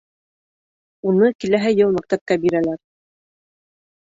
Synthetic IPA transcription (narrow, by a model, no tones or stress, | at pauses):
unɤkilæɦɘjɤlˠmæk̚t̪æp̚kæbiɾælæɾ